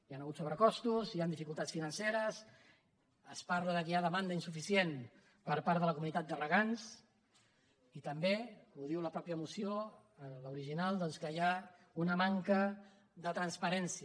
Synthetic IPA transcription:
ianəɣut̪soβɾəkɔst̪uziand̪ifikulˠt̪at̪sfinənseɾəs | əspaɾləðəkiaðəmand̪əinsufisjen | pəɾpaɾt̪ðələkumunit̪at̪̚d̪ərəɣans | it̪əmbeuðiwləpɾɔpjəmusijo | ləuɾiʒinalˠd̪ɔnskəja | unəmaŋkə | ðət̪ɾənspəɾɛnsiə

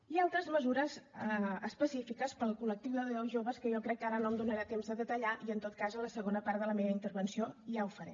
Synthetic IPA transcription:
ialˠt̪ɾəzməzuɾəzəəspəsifikəspəlˠkulək̚t̪iwðəðəlzʒoβəskəjɔkɾɛkːaɾənomd̪unəɾat̪emzəðət̪əʎaʔiənt̪ot̪̚kazələsəɣonəpaɾðələmeβəint̪əɾβənsioiawfəɾɛ̰

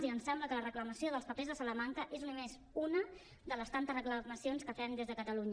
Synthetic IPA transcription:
ziənsɛmbləkələrəkləməsioðəlˠspəpezðəsələmaŋkəʔeznumez | unə | d̪ələst̪ant̪əzrəkləməsionskəfɛnd̪ezðəkət̪əluɲ

